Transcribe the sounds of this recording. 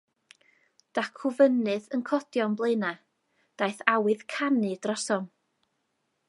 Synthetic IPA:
d̥akʰʊvənɨðənkʰɔd̥jɔnblˠejna | d̥ajθawɨðkʰanɨd̥rɔsɔm

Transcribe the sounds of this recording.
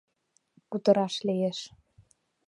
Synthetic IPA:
kut̪ɤ̆ɾɑʃlijeʃ

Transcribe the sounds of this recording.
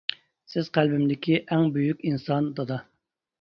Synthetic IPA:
sɪzqʰælbɪmd̪ɪkʲʰiʔæŋbyjykʲinsɑnd̪ɑd̪ɑ

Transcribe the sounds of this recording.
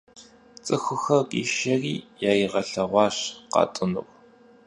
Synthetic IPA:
t͡sʼɨxʷʊxɐkʼḭːʃɐriːjaːjiʁɐɬɐʁʷɑːɕqɑ̰ːtʼɨnṵwʼ

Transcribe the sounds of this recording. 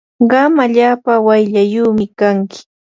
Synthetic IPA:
ɢɑmaʎaːpawajʎajuːmɪkaŋkɪ̥

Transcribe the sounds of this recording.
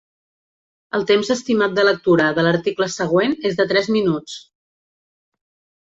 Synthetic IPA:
əlˠt̪emzəst̪imat̪̚d̪ələk̚t̪uɾəðələɾt̪ikləsəɣ̞wenezðət̪ɾɛzminut͡s

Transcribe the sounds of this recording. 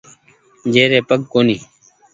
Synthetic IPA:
d͡ʒeːɾeːpəɡkoːniː

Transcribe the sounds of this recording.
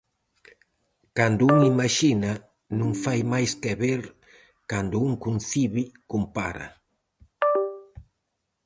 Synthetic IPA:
kand̪ʊuŋimaʃina | nũŋfajmajskɛβeɾ | kand̪ʊuŋkun̟θiβikumpa̰ɾɐ̰

